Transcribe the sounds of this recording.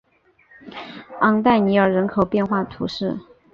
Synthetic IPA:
ɑ˥ŋt̪a˥˩ɪni˨˩jɑ˥˩ʊɻə˧˥nkʰo˨˩ʊpjɛ˥˧nxwa˥˩ə˩t̪ʰṵ˧˥ʂɻ̩˥˩

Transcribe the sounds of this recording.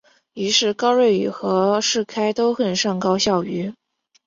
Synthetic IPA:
i˧˥ʂɻ̩˥˩kɑ˥ʊɻe˥˩ɪy˨˩xɤ˧˥ʂɻ̩˥˩kʰa˥ɪt̪o˥ʊxə˨˩nʂɑ˥˩ŋkɑ˥ʊɕjɑ˥˩ʊy˧˥

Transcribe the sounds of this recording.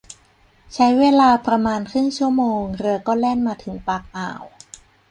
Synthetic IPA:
t͡ɕʰa˦˥jweː˧laː˧pɾa˧maː˧nkʰɯ˥˩ŋt͡ɕʰu˥˩ɐmoː˧ŋɾɯ˧ɐkɔː˥˩lɛː˥˩nmaː˧t̪ʰɯ˩˦ŋpaː˧˩k̚ʔa̰ː˨˩w

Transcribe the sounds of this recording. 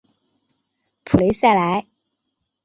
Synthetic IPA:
pʰu˨˩le˨˧˥sja˥˩la˨˥ɪ

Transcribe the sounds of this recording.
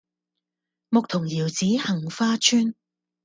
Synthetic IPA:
mʊ˨k̚t̪ʰʊ˨˩ŋjiː˨˩wt͡siː˨˥hɐ˨˩ŋfaː˥t͡ʃʰyː˥n

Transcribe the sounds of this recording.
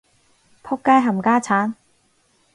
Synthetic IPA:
pʰʊ˥kːaː˥jɦɐ˨˩mkaː˥t͡sʰaː˨˥n

